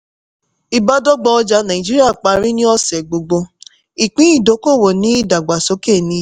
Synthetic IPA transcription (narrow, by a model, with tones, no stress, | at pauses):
i˧ba˦dɔ˦ɡ͡bɔ˧ɔ˧d͡ʒa˧nã˨i˨d͡ʒi˦ɾi˦a˦˨k͡pa˧ɾi˦nĩ˦ɔ˦sɛ˨ɡ͡bo˧ɡ͡bo˧ | i˨k͡pĩ˨˦i˦˨do˨˦ko˦˨wo˨nĩ˨˦i˦˨da˨ɡ͡ba˨so˨˦ke˦˨nĩ˨˧˦